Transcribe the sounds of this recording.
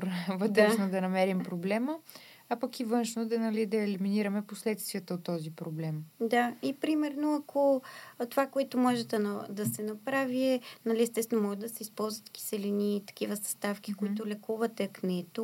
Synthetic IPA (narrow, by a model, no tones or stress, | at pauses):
ɾvəd̪ɾɛʃnod̪ɐnɐmɛɾimpɾoblɛmə | apɐkivɤnʃnod̪ɐnɐlid̪ɐɛliminiɾɐmɛposlɛt̪st̪viət̪əot̪ːɔzipɾoblɛmd̪aipɾimɛɾnoɐkʰot̪ovakoɛt̪omɔʒɛd̪ɐnɐd̪ɐsɛnɐpɾaviɛnɐliɛst̪ɛst̪vɛnomɔɡɐd̪ɐsɛispɔlˠzvət̪ki̥sɛliniːt̪ɐ̥k̟ivəsɐ̥st̪afk̟ikoiit̪ʊlɛkuvɐt̪ɛknɛt̪o